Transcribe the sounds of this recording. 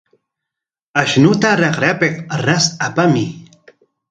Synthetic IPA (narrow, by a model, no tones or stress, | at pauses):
aʃnʊt̪aɾɑχɾapeqɾasapamɪ